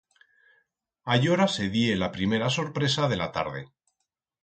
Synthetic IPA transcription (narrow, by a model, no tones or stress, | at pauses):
ajo̞ɾase̞ðjelapɾime̞ɾaso̞ɾpɾe̞saðe̞lat̪a̰ɾð̞e̞